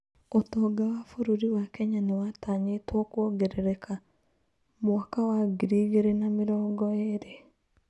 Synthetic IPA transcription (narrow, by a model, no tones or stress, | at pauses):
otɔɡawafoɾoɾiwakɛɲanewataɲetwɔkwɔɡeɾeɾekʰa | mwakawaɡiɾiɣeɾenamɪɾɔːɡɔeɾe